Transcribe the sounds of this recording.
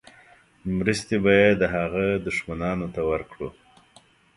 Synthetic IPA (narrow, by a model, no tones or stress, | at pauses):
mɾəst̪ebɑjad̪ːəɦaɣad̪ʊʂmanɑnot̪awəɾkɽṵ